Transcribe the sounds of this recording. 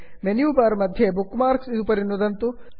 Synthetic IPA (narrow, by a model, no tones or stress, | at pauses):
menjuːpaːɾmɐd̪ʱjebukːmaːɾksid̪upɐɾinːud̪ɐnt̪u